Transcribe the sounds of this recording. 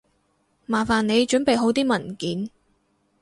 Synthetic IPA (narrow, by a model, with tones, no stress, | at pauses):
maː˨˩faː˨˩ne˨˧jt͡ʃɵ˨˥npe˨jɦo˨˥wt̪iː˥mɐ˨˩nkiː˨˥n